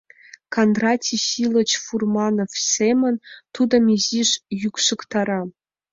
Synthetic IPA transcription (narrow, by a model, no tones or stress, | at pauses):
kʰand̪rɑtʲʰiɕilˠət͡ɕfurmɑnofsemənt̪ud̪ɤ̆miziʂjykʂɨkt̪ʰɑɾɑ